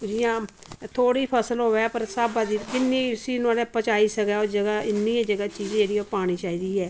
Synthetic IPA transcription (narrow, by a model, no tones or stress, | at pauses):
d͡ʒijãːt̪ʰoːɽiːpʰəsəlɦoːʋɛːpəɾsaːbaːd̪iːkɪnːiːsiːnaːleːpət͡ʃaːiːsəɡɛːoːd͡ʒəɡaːɪnːiːãːd͡ʒəɡaːt͡ʃiːd͡ʒ̃ːd͡ʒeːɽiːoːpaːɽ̃iːt͡ʃaːiːd̪iːɛː